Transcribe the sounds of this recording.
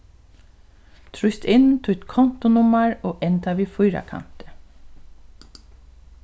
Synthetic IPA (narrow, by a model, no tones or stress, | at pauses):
t̪ʰɾʊst̪ɪnt̪ʰʊt̪kʰɔnt̪ʊnʊmaɹoːʔɛnt̪aʋiːfʊjɾa̰kʰa̰n̥t̪ə̥